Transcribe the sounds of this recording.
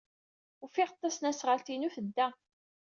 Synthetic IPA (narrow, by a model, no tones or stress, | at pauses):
ʊfiʁət̪ˤːɑsnæsʁəlt̪inufəd̪ːæ